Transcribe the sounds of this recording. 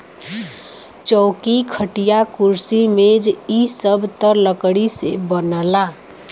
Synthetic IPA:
t͡ʃɔʊkikʰəʈijakuɾsimed͡ʒisəbʱt̪əɾləkɽisebənəla

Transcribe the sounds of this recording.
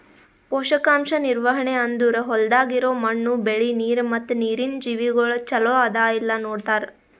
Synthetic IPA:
poːʃɐkaːmʃɐniɾʋɐɦɐɳeɐnd̪uɾɐɦɔld̪aːɡiɾoːmɐɳːubeɭiniːɾmɐt̪ːuniːɾind͡ʒiːʋiɡɐɭut͡ʃɐloːad̪aːilːɐnoːɽt̪aːɾ

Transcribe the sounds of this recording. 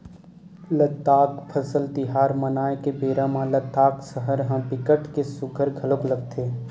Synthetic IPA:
lət̪ːaːkpʰəsəlt̪ɪɦaːɾmənaːekebeːɾãmãlət̪ːaːksəɦəɾɦãpɪkəʈkesʊɡʱəɾɡʱəlokləɡt̪ʰeː

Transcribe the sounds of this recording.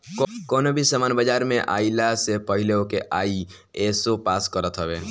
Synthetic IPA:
kɔnobʱisəmaːnbəd͡ʒaːɾmẽʔa̰ilasepəɦɪleokeʔai | esopaːskəɾət̪ɦəbeː

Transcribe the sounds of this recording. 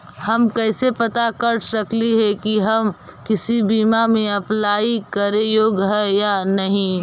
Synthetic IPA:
hɐmkɛɪsepɐt̪akɐɾsɐkliɦɛkiɦɐm | kɪsibiːmamẽɐplaːikɐɾẽjoːɡɦɛjanɐɦĩ

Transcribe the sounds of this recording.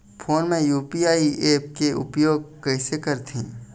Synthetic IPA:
fʰoːnmẽjuːpiaːiʔeːp̚keʔʊpjoːɡ̚kɐɪsekɐɾt̪ʰḭ̃ː

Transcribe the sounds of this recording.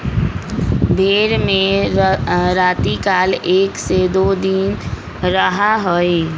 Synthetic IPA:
bʱeːɾmẽ | ɾaːt̪ikaːleːksed̪oːd̪in | ɾəɦaɦoe

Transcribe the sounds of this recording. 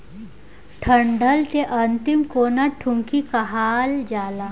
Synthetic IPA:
ʈʰɐɳɖəlt̪eʔɐnt̪ɪmkoːnaʈʰʊ̃ŋkikaɦaːld͡ʒaːlaː

